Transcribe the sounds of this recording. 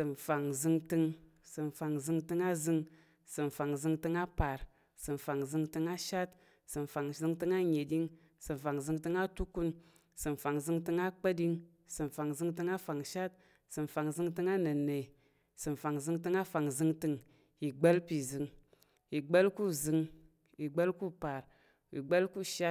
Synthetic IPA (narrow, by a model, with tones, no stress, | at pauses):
sɨ˨nfa˨ŋzɨ˧ŋtɨ˧ŋ | sɨ˨n˨fa˨ŋzɨ˧ŋtɨ˧ŋa˦zɨ˧ŋ | sɨ˨m˨fa˨ŋzɨ˧ŋtɨ˧ŋa˦pa˨ɾ | sɨ˨m˨fa˨ŋzɨ˧ŋtɨ˧ŋa˦ʃa˦t | sɨ˨m˨fa˨ŋzɨ˧ŋtɨ˧ŋa˦ɲe˨di˧ŋ | sɨ˨m˨fa˨ŋzɨ˧ŋtɨ˧ŋa˦tu˦ku˧n | sɨ˨m˨fa˨ŋzɨ˧ŋtɨ˧ŋa˦k͡pə˦di˧ŋ | sɨ˨m˨fa˨ŋzɨ˧ŋtɨ˧ŋa˦fa˨ŋʃa˦t̚ | sɨ˨nfa˨ŋzɨ˧ŋtɨ˧ŋa˦nə˨ne˨ | sɨ˨m˨fa˨ŋzɨ˧ŋtɨ˧ŋa˦fa˨ŋzɨ˧ŋtɨ˧ŋ | i˨ɡ͡be˦lpi˨zɨ˧ŋ | i˨ɡ͡bə˦lku˦zɨ˧ŋ | i˨ɡ͡bə˦lku˦pa˨ɾ | ḭ˨ɡ͡bə˦lku˦ʃa˦